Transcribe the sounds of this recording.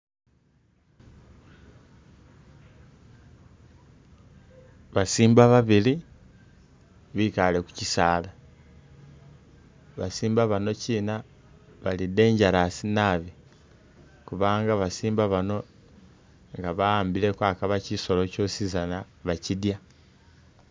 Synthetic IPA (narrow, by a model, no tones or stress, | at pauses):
βasiːmbaβaβili | βikaleku̥cisaːla | βa̰siːmbaβano̞ciːna | βalide̞ːɲɟaɾasinaβi | kuβaːŋɡaβasiːmbaβano̞ | ŋɡaβaːmbile̞kwaːkaβaciso̞lo̞cosizana | βacidja